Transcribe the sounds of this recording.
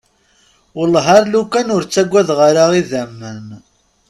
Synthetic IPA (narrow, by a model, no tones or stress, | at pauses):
wəlɦaɾlukːænʊɾt͡sːæɡʷːæðʁaɾaʁiðæmːən